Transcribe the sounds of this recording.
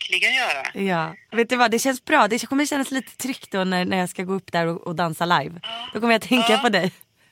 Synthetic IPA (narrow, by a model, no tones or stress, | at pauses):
kʰlɪɡajœːɾa̰jɑːveːt̪̚d̪ɵvad̪ɛɕɛnsbɾɑːd̪ɛkʰɔmːəɕɛnːasliːt̪ə̥t̪ʰɾʏkt̪̚d̪ɔnænæɾjɑːskaɡoːɵpːd̪æɾɔɔd̪ansalajvd̪̥ɔkʰɔmːəjat̪ʰɛŋkapɔd̪ɛj